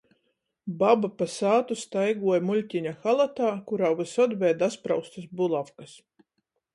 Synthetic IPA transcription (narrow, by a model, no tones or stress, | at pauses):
babapasaːt̪ust̪ajɡuɔjmulʲtʲiɲaxalˠat̪aːkuɾawvɨsɔd̪vɛːd̪aspɾawst̪ɨsbulˠafkas